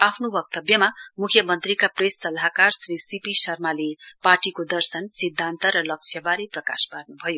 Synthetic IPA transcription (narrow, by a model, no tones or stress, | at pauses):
apʰnobʌk̚t̪ʌbjʌmamukʰjʌmʌnt̪rikapresːʌlaɦakarsrisipisʌrmaleparʈikod̪ʌrsʌnsid̪ʱːant̪ʌɾʌlʌk̚t͡sʰjʌbaɾeprʌkasparnubʱʌjo